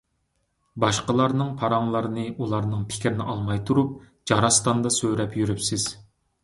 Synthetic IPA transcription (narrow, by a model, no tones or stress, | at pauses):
bɑʃqəlˠɑɾnɨŋpʰɑɾɑŋlˠɑɾɨnɨʔulˠɑɾnɨŋpʰɪ̥kʲɾɪnɪ̰ʔɑlˠmɑjt̪ʰuɾup̚ | d͡ʒɑɾɑst̪ɑnd̪ɑsøɾɛpjyɾypsɪz̥